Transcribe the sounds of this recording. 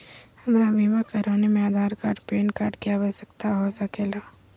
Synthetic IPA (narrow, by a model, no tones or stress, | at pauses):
hɐmɾabʱiʋakɐɾaːnemẽad̪ʱaːɾkaːɾʈpeːnkaːɾʈkijabəsəkt̪aɦosakeːlaː